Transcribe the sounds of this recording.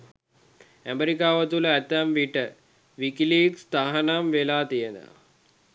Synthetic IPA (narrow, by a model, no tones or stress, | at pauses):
æmeɾikaːʋət̪uləæt̪ːæmʋiʈə | ʋikiliːkst̪aɦanamʋelaːt̪ijenə̰